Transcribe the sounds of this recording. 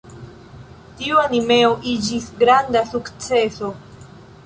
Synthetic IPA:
tiuanime̞oʔid͡ʒisɡɾandasukt͡se̞so̞

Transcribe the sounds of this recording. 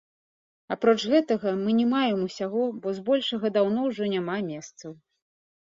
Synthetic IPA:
apɾɔt͡ʂɣɛt̪ɐɣɐmɨnʲɛmajɛmusʲaɣɔbɔzbɔlʲʂɐɣɐd̪awn̪ɔwʐɔnʲamamʲɛst̪sɐw

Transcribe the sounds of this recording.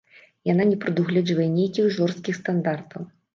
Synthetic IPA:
jan̪anʲɛpɾɨd̪uɣlʲɛd͡ʐvɐjɛnʲejkʲiɣʐɔrst̪̚kʲixst̪and̪art̪ʰɐw

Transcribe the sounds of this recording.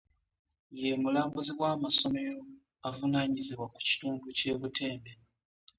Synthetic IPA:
je̞mulaːmbuziɡwaːmaso̞me̞jo̞ | avunaːɲiziβwaku̥ci̥tuːnduce̞ːβute̞ːmbe

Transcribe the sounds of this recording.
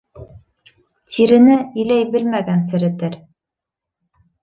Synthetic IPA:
t̪iɾɘ̆nɘɘ̆læjbɘlmæɡæns̬ɘ̆ɾɘ̆t̪ɘɾ

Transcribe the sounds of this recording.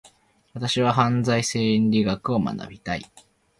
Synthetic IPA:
βat̪aɕiβaɦãnd͡zaise̞ːĩnɾʲiɡakɯ̟o̞ma̰na̰bʲit̪ai

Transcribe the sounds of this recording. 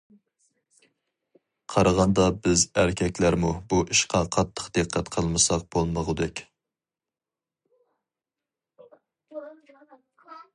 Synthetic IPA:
qʰɑɾəʁɑnd̪ɑbɪzæɾkʲʰɛkʲlæɾmubuʔiʃqɑqʰɑt̪ʰːə̥qd̪ɨqʰːæt̪qʰəlˠmɨsɑq̚b̥olˠməʁʊd̪ɛkʲ

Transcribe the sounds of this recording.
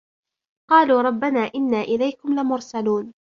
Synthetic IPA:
qɑːluːɾˤɑbːanaːʔɪnːaːʔɪlajkʊmlɪmʊɾsaluːn

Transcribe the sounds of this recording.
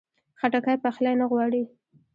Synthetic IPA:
xaʈakajpaxlajnaɣwɑɽi

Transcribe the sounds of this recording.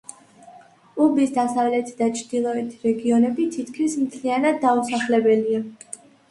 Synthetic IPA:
ubisd̪asavlɛt̪ʰid̪at͡ʃʰd̪̥ilˠɔɛt̪ʰiɾɛɡiɔnɛbit̪ʰit̪ʰkʰmismt̪ʰlianad̪ːausaχlɛbɛlia

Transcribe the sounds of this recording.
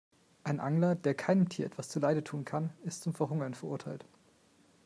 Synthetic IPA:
ʔaɪnʔaŋlɐd̥eːɐkʰaɪnəmtʰiːɐʔɛ̰tv̥ast͡suːlaɪdətʰuːnkʰanɪstt͡sʊmfɛɐɦʊŋɐnfɛɐʔʊɐtʰaɪlt

